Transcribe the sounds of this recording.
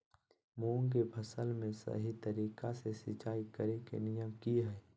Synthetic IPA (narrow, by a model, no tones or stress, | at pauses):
mõːŋɡebʱɐsəlmẽsə̰ɦit̪əɾiːkasesɪt͡ʃaːikəɾekḛnɪjəmkiɦɛː